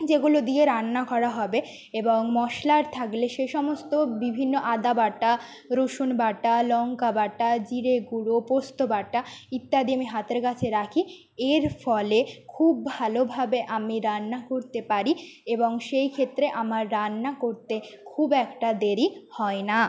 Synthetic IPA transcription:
d͡ʑeɡulod̪ieɾanːakɔɾaɦɔbe | eboŋmɔʃlaɾt̪ʰakleʃeʃɔmost̪obibʱinːoʔad̪abaʈːa | ɾoʃunbaʈalɔŋkabaʈad͡ʑiɾeɡuɽopost̪obaʈːait̪ːad̪iamiɦat̪eɾkat͡ɕʰeɾakʰi | eɾfɔlekʰub̚ːʱalobʱabeʔamiɾanːakoɾt̪epaɾieboŋʃejkʰet̪ːɾeʔamaɾːanːakoɾt̪ekʰubɛkʈad̪eɾihɔena

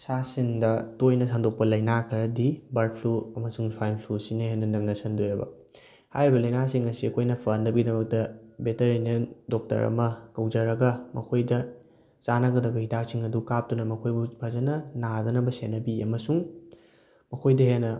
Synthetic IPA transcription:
sasiŋdɐtojnɐsandok̚pɐlɐjnakʰɐɾɐdibɐɾk̚pʰluɐmɐsuŋswajlpʰlusinɐhenːɐnɐmnɐsɐndojɐbɐ̰ | hajɾibɐlɐjnasiŋːɐsiɐkʰojnɐpʰɐnɐbɡidɐmɐk̚tɐbeteɾinɐndok̚tɐ̰ɾɐ̰mɐkɐwzɐɾɐɡɐmɐkʰojdɐ | t͡ʃanɐɡɐdɐbɐhidak̚siŋɐdukap̚tunɐmɐkʰojbupʰɐzɐnɐnadɐnɐbɐsenːɐbiɐmɐsuŋ | mɐkʰojdɐhenːɐ

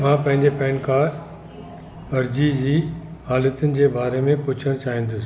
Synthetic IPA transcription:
m̤ãːpɐ̃ɦɪ̃ɲd͡ʑepɛ̃ːɳkaː | ɐɾd͡ʑid͡ʑiːhaːlət̪ʊnɪ̆d͡ʑeːbaːɾemẽpʊt͡ɕʰəɽ̃t͡ɕaːɦĩn̆d̪ʊs

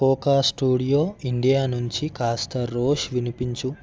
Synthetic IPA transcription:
kɔːkaːsʈuːɽijoːiɳɖijaːnuɲt͡ʃikaːst̪ɐɾoːʃʋinipiɲt͡ʃu

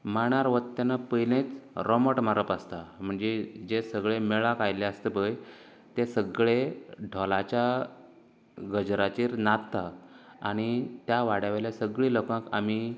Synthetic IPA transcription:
maɳ̃aɾʋət̪t̪ːanapəjlẽt͡sɾɔməʈm̤aɾəpast̪am̤əɳd͡zed͡ʑesəɡɭemeɭakajleast̪ebəj | t̪esəɡɭeɖʱɔlat͡ɕja | ɡəd͡ʑɾat͡ɕiːɾnat̪t̪aa̰ɽ̃it̪jaʋaɽjaʋeljasəɡɭiːləkə̃kami

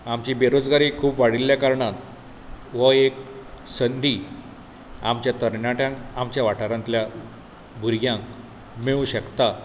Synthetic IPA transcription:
amt͡ɕibeɾod͡zɡaɾiːkʰuːpʋaɽilːjakaɾɳat̪ | ʋəeksənd̪ʱi | amt͡ɕjat̪əɾɳaʈjãŋkamt͡ɕjaʋaʈʰaɾãnt̪lja | bʱuɾɡjãŋk | meɭuɕəkt̪a

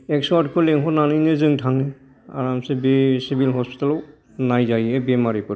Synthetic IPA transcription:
ɛksɔatkʰɯlɛŋɦɔnanɯjnezɯŋtʰaŋne | a̰ɹamsebesibilɦɔspi̥talɔw | najzajɛbemaɹipaɾ

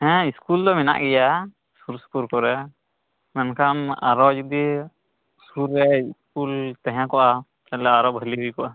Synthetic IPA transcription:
ɛ̃iskuld̪ɔmɛna̰ʔɡɛja | suɾspuɾkɔɾɛ | mɛnkʰama̰ɾɔd͡ʒud̪i | suɾːɛiskult̪ɛ̃ɦɛ̃kɔʔa | t̪alɛaɾɔbʱəliɦuikɔʔa

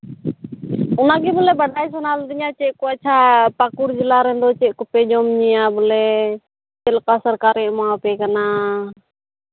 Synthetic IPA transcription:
ʊnaɡɛbɔlɛbəɖʱajs̬ɔnald̪ɪɲat͡ʃɛʔkɔat͡ʃʰapakuɾd͡ʒilaɾɛ̃nd̪ɔt͡ʃɛʔkɔpɛd͡ʒɔmɲɛjabɔlɛ | t͡ʃɛlkasəɾkaɾɛmãpɛkana

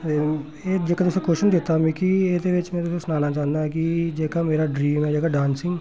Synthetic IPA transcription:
ed͡ʒeːkat̪ʊsekoːʃənd̪eːt̪amĩkied̪eʋɪt͡ʃmɛ̃ːt̪ʊsesnaːnat͡ʃaːnd̪aɛkid͡ʒeːkameːɾaɖɾiːmɦɛːd͡ʒeːkaɖãːnsɪ̃ŋɡ

